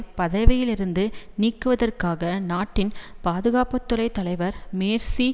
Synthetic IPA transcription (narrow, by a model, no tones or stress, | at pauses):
pɐðɐʋɪjɪlɪɾɯnd̪ɯniːkːɯʋɐðɐrkaːɣɐnaːʈːɪnpaːðɯɣaːpɐt̪ːɯlɐɪt̪ːɐlɐɪʋɐɾmeːɾsi